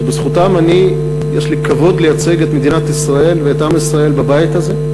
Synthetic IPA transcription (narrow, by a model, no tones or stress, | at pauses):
bezχut̪amani | jeʃlikavo̞d̪lejat͡se̞ɡe̞t̪me̞d̪inat̪isʁae̞lveːt̪amisʁae̞lbabajit̪aze̞